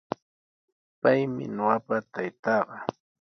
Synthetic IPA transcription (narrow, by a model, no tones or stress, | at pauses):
pajmɪ̰noɢapat̪ajt̪ɑɢɑ